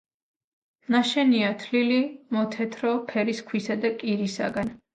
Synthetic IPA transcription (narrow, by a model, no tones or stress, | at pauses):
naʃɛniat̪ʰlilimɔt̪ʰɛt̪ʰɾɔpʰɛɾiskʰwisad̪akʼiɾisa̰ɡan